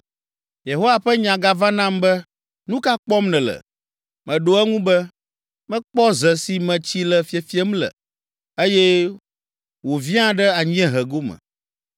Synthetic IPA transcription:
je˨ɦo˦wa˨ɸɛ˦ɲã˨ɡa˦va˦nã˦mbɛ˦ | nũ˦ka˦k͡pɔ˦mnɛ̃˨lə̰˨ | mɛ̃˨ɖo˨ɛ˦ŋũ˦bɛ˦ | mɛ̃˦k͡pɔ˦zɛ˨si˨mɛ̃˨t͡ɕi˦lɛ˨fi˦e˨fi˦ɛ˦mlɛ̰˨ | e˦jɛ˦ | wo˨vi˦ã˦ɖɛ˦a˨ɲ˦ɛ̃˦ɦɛ˨ɡo˦mɛ̰̃˨

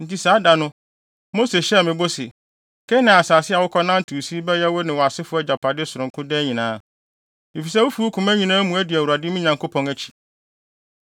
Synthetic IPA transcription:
n̩˨ti˨saː˨˦da˨nʊ̃˦ | moː˦se˨ɕɛ˦˨mɪ̃˨bo˦sɪ˨ | kʰɛ˦nã˨a˨saː˨sɪ˦a˨wʊ˦kʰɔ˦nã˦n˦tʰu˨si˦bɛ˦jɛ˦wɔ˦nɪ̃˨wɔ˨a˨sɪ˦fʊ˦ɛ˦˨d͡ʑa˨pʰa˨dɪ˦sʊ˨ɾʊ̃˨kʰʊ̃˦dɛ˦ɲĩ˨nãː˦ | mi˨fi˨s̬ɛ˦wo˦fu˦o˦kʰʊ̃˨mæ̃˦ɲĩ˨nãː˦mũ˨æ˦dɪ˨æ˨wu˨ɾa˨dɪ˦mĩ˦ɲã˨ŋkʰo˦pʰɔ̃˦ŋæ˦t͡ɕʰi̥˨

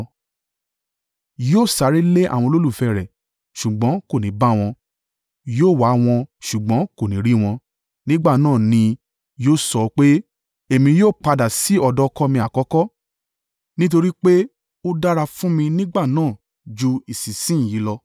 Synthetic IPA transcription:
joː˦˨sa˨˦ɾi˦le˦ʔa̰˦˨w̃ɔ̃˧lo˦lu˦˨fɛ˦˨ɾɛ˨ | ʃu˨ɡ͡bɔ̃˨˦ko˦˨nĩ˨˦ba˦w̃ɔ̃˧ | joː˦˨wa˨˦w̃ɔ̃˧ʃu˨ɡ͡bɔ̃˨˦ko˨nĩ˨˦ɾi˦w̃ɔ̃˧ | nĩ˦ɡ͡ba˦˨nãː˦˨nĩ˧ | joː˦˨sɔ˨˧k͡pe˦ | e˦˨mĩ˧joː˦˨k͡pa˧da˨si˨˦ɔ˧dɔ˦kɔ˦mĩ˧˦a˨kɔ˨˦kɔ˦ | nĩ˦t̬o˧ɾi˦k͡pe˦ | o˦da˦ɾa˧fũ˦mĩ˧nĩ˦ɡ͡ba˦˨nãː˦˨ | d͡ʒu˧i˨si˨sĩ˦˨ji˨˦lɔ˧

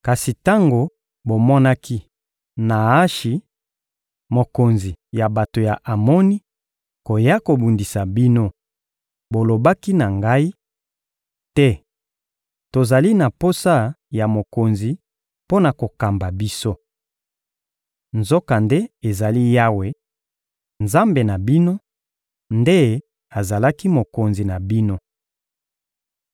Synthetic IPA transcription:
ka˨si˨ta˦ŋɡo˨ | bo˨mɔ˦na˦ki˦ | na˨a˦ʃi˨ | mo˨ko˨nzi˨ja˨ba˨to˨ja˨ʔa˨mɔ˦ni˦ | ko˨ja˦ko˨bu˨ndi˨sa˨bi˦no˦ | bo˨lo˨ba˦ki˦na˨ŋɡa˦i˦ | tɛ˦ | to˨za˨li˦na˨po˦sa˦ja˨mo˨ko˨nzi˨ | po˦na˨ko˨ka˨mba˨bi˦so˦ | nzo˦ka˨nde˦e˨za˨li˦ja˦we˦ | nza˦mbe˨na˨bi˦no˦ | nde˦ | a˨za˨la˦ki˦mo˨ko˨nzi˨na˨bi˦no˦

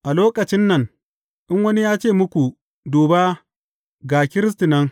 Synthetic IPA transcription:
ʔa˨loː˦kɐ˨t͡ʃɪ˦nːɐ˨ŋ | ʔɪ˦ŋwɐ˦ni˦jaː˦t͡ʃeː˦˨mʊ˦kʷu˨ | doː˨baː˦ | ɡaː˨kʲɪ˦ɾɪ˦s̬ti˨nɐ˦ŋ

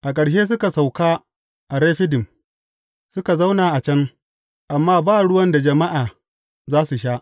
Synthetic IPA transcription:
ʔa˨kʼɐ˨ɽʃ̬eː˦s̬ʊ˦ka˨sa˨wkaː˦ | ʔa˨ɾeː˦ɸɪ˦dɪ˨m | sʊ˦ka˨za˦wnaː˨ʔa˨t͡ʃɐ˦n | ʔa˨mːaː˦baː˦˨ɽʊ˦wɐ˦nda˨d͡ʒɐ˨ma˦ʔaː˨ | zaː˦su˨ʃaː˦ʔ

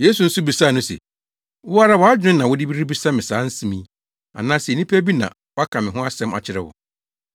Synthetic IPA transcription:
je˦su˨n̩˦sʊ˦bi˨sa˦˨nʊ̃˦sɛ̰˨ | wʊ˦a˦ɾa˦wɔ˨˦a˦d͡ʑᶣɪ̃˦nã˨wʊ˦di˦bi˦ɾi˦bi˦sa˦mɪ̃˨sãː˨˦n̩˦sĩ˦mĩ˦ | a̰˨nãː˦snĩ˦pʰæ˦bi˦nã̰˨ | wɔ˦a˦kʰã˨mɪ̃˨ɦʊ̃˦a˦sɛ̃˦ma̰˨t͡ɕʰɪ˦ɾɛ̰˨wɔ̰˨

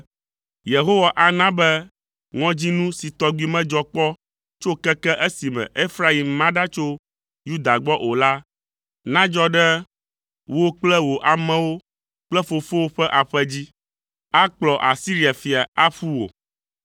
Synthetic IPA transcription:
je˨ɦo˦wa˨ʔa˨nã˦bɛ˦ | ŋɔ̃˦d͡ʑi˦nũ˦si˨t̪ɔ˦ɡwi˦mɛ̃˦d͡ʒɔ˦k͡pɔ˦ | t͡ʃo˦kɛ˦kɛ˦ʔe˦si˨mɛ̰̃˨ʔe˦fɾa˦˨i˨mːã˦ɖa˦t͡ʃo˦ | ju˦d̪a˨ɡ͡bɔ˦ʔo˨la˦ | nã˦d͡ʒɔ˦ɖɛ˦ | wo˦k͡plɛ˦wo˨ʔa˨mɛ̃˨wo˦ | k͡plɛ˦fo˨fo˦wo˦ɸɛ˦ʔa˨ɸɛ˦d͡ʑi˦ | a˦k͡plɔ˨ʔa˨si˦ɾi˦˨a˨fi˨a˨a˦ɸu˦wo̰˨

